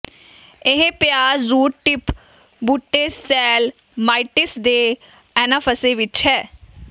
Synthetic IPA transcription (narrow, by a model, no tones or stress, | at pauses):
ɪɦẽpɪjaːzɾuːʈʈɪp | buʈːeːsɛːl | maːiʈɪsd̪eː | ɛːnaːpʰəseːʋɪt͡ʃɦɛː